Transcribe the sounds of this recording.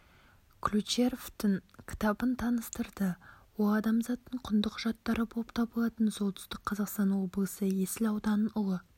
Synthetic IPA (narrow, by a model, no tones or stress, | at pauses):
kʰlʲut͡ʃe̞ɾoft̪ɪŋkʲʰɪ̥t̪ɑbənt̪ʰɑnəst̪əɾd̪əwolˠɑd̪ɑmzɑt̪ːəɴqʰʊnd̪əqʰʊʒɑt̪ːɑɾəbʰopt̪ʰɑbəlˠɑt̪ənso̞lˠt̪ʰʏ̥st̪ɪk̚qʰɑzɑqst̪ɑnwo̞blˠəsəje̞sɪlɑwd̪ɑnənʊlˠə